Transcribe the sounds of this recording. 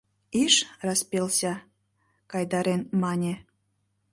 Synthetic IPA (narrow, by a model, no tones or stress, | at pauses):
iʃrɑspelsʲɑ | kɑjd̪ɑɾenmɑnʲe